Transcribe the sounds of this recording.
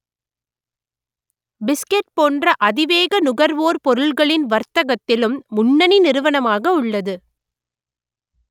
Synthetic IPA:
bɪskɛʈ̚poːndrɐʔɐðɪʋeːɣɐnʊɣɐɾʋoːɾpɔɾɯɭɣɐɭɪnʋɐɾt̪ɐɣɐt̪ːɪlɯmːʊɳːɐninɪɾɯʋɐɳɐmaːɣɐʊɭːɐðɯ

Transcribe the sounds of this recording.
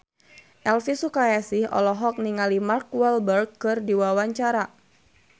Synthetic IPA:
ʔɛlfisukajasɪhɔ̰lɔɦɔk̚niŋalimarkwɛlbərɡkːɨrdiwawaɲt͡ʃaɾa

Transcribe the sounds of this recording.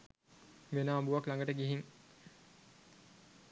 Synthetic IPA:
ʋenaːmbuʋaklaŋɡəʈəɡiɦiŋ

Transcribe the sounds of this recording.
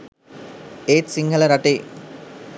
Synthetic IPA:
eːtsiŋɡʱələɾaʈeː

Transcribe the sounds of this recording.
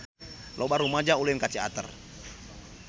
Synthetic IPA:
lʔɔbaɾumad͡ʒauluinkat͡ʃia̰t̪ə̰r

